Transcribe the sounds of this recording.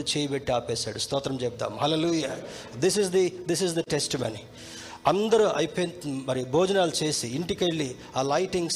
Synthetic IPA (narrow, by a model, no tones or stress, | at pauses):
t͡ʃeːjɐbeʈːiaːpɛːsa̰ːɽust̪ɔːt̪ɾɐmt͡ʃɛp̚t̪a̰ːmɦɐleluːjaː | d̪is̬izd̪id̪isizd̪ɐʈesʈimɐ̰ni | ɐnd̪ɐɾuʔɐjipemɐɾibʱoːd͡ʒɐnaːlut͡ʃe̞ːsiːɳʈikeɭːi | aːlɐjʈiŋɡs